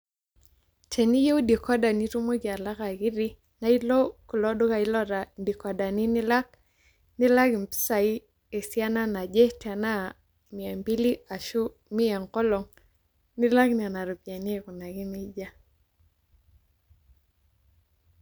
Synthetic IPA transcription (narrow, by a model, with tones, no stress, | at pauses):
tʰe˨ni˦je˦u˦di˨kɔ˦da˨ni˦tu˦mo˦ɡi˨a˨la˦ka˨ki˦ɾi˦ | na˦i˦lɔ˦ku˨lɔ˦do˦ka˨i˦lɔ˦ɾa˨di˨kɔ˨da˨ni˦ni˦la˦k̚ | ni˦la˦ki˨mpi̥˦sa˨i˦ | e˨si˦a˦na˦na˨d͡ʒe˦tɛ˨na˦ | mi˨a˨mbi˦li˦a˨ʃu˦ | mi˦a˨ŋkɔ˦lɔ˨ŋ | ni˦la˦kn˨a˨na˨ɾo˨pja˨n˦e˦˨ku˨na˨ki˦ni˦d͡ʒa˦